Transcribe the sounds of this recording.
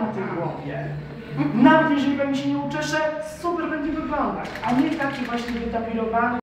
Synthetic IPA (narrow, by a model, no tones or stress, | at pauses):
nt̪ɛjɡwɔvʲjɛ̰ | navɛt̪jɛʐɛlʲibɛɲd͡ʑɛɕ̬ɛɲɛut͡ʂɛʂɛsupɛɾbɛɲd͡ʑɛvɘvɔld̪a̰kaɲɛt̪akʲivwaɕt͡ɕivʲjɛd̪apʲiɾɔvan